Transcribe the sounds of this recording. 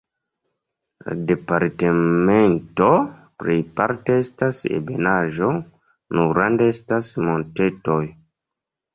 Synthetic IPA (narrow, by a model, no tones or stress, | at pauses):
la̰de̞paɾteme̞nto̞ | pɾipaɾte̞estasḛbe̞̰naʒo̞ | nuɡɾandeestasmo̞nte̞to̞j